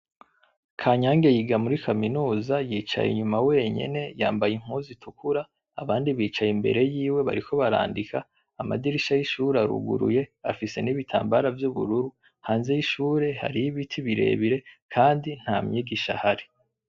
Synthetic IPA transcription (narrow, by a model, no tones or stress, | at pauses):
kʰaɲaːŋɡe̞jiɡamuɾikʰaminuːzajiːt͡ʃa̰jḭɲumawe̞ːɲe̞̰ne̞jaːmbajiŋ̥huːzitʰukʰuɾa | aβaːndiβiːt͡ʃajimbḛɾe̞jiːwe̞βa̰ɾiko̞βaɾa̰ːndikʰaː | ma̰diɾiʃajiʃuːɾaɾṵɡṵɾṵje̞a̰fise̞̰niβitʰa̰ːmbaɾavjuβṵɾuɾu | haːnze̞jiʃuːɾe̞ha̰ɾijiβitʰiβiɾe̞̰ːβiɾe̞kʰaːndin̥hamɲiːɡiʃa̰haɾe